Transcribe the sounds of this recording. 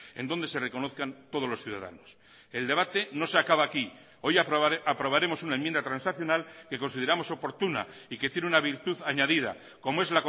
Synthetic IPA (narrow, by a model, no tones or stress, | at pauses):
e̞̰nd̪o̞nd̪e̞se̞re̞ko̞no̞θkant̪o̞ð̞o̞loθjuða̰ða̰nos | e̞ld̪e̞β̞at̪e̞no̞seakaβaːki | o̞japɾo̞β̞aɾe̞mo̞sunaemjend̪at̪ɾansaθjo̞nalke̞ko̞nsið̞e̞ɾamo̞so̞po̞ɾt̪una̰ | ike̞t̪je̞neunaβ̞iɾt̪uðaɲaðiða̰ | ko̞moe̞zlako